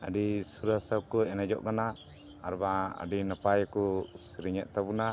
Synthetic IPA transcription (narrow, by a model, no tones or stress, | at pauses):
adisuɾasap̚kɔɛnad͡ʒɔ̰ʔkana | aɾbaa̰dinapajkusiɾiɲaʔt̪abuna